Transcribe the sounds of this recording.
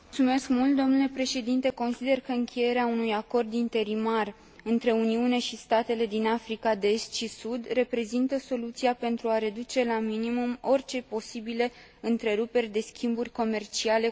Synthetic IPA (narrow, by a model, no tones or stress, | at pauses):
mut̪sume̞skmult̪̚d̪o̞mnule̞pɾe̞ʃe̞d̪int̪e̞ko̞nsid̪e̞rkəɨŋkʰʲe̞je̞ɾeaunujako̞rd̪int̪e̞ɾimar | ɨnt̪ɾe̞uniuneʃist̪at̪e̞le̞d̪inafɾikad̪eest̪ʃisud̪re̞pɾe̞zint̪əso̞lut̪siape̞nt̪ɾuaɾe̞d̪ut͡ʃe̞laminimumo̞rʲt͡ʃe̞po̞sibile | ɨnt̪ɾe̞ɾupe̞rʲd̪e̞skʲimburʲko̞me̞rt͡ʃiale̞